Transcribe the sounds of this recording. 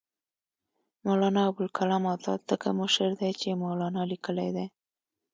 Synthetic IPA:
molɑnɑawbʊlkʰalɑmɑt̪ɑ̰t̪əkamʊʃəɾd̪ajt͡ʃemɑlɑnɑlikəlajd̪aj

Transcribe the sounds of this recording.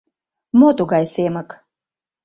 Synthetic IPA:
mɔt̪uɡajsemək

